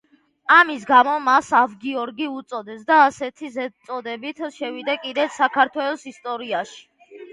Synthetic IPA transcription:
amisɡamɔmasavɡiɔɾɡiut̪sʼɔd̪ɛsd̪aːsɛt̪ʰizɛt̪sʼɔd̪ɛbit̪ʰʃɛvid̪ɛkʼid̪ɛtsakʰaɾt̪ʰwɛlˠɔsist̪ʼɔɾiaʃi̥

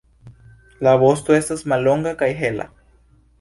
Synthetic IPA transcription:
laβost̪uest̪əsmaloŋɡakajɦela̰

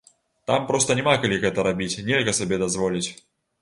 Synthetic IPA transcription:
t̪ampɾɔst̪ənʲɛmakalʲiɣɛt̪ɐɾabʲit͡sʲnʲelʲɣɐsabʲɛd̪azvɔlʲit͡sʲ

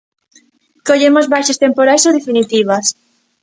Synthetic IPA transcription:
koʎemozβajʃest̪empoɾajsoðefinit̪iβas

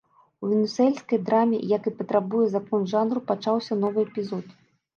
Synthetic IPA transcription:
uvʲɛnʲusɛlʲsʲkɐjd̪ɾamʲɛ̰jakɨpɐt̪ɾabujɛzakɔnʐanrupat͡ʂawsʲɐn̪ɔvɨɛpʲizɔt̪

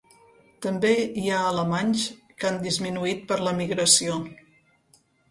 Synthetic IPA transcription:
t̪əmbeiaələmanʲs | kand̪izminuit̪̚pəɾləmiɣɾəsio

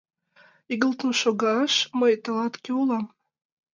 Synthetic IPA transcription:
iɡə̆lˠt̪ənʃoɡɑʃməjt̪ɑlɑt̪kʲeulɑm

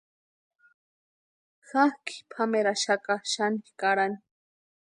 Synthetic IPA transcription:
xahki̥pʰameɾaʃakaʃanikaɾani̥

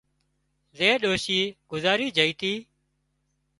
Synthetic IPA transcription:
zeːɗoːʃiːɡ̥ʊzaːɾiːd͡ʒəiːt̪iː

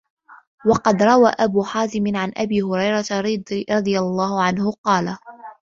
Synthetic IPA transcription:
wɑqɑd̪ɾˤɑwaːʔabuːħaːzɪmɪnʕanʔabiːhʊɾɑjɾˤɑt̪ɾd̪ɾˤɑd̪ˤɨjalˤːɑːhʊʕanhʊqɑːla

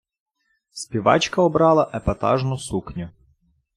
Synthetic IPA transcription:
sʲpʲiʋɑ̰t͡ʃkɐɔbɾɑlˠɐʔɛpɐt̪ɑ̰ʒnʊsuknʲʊ

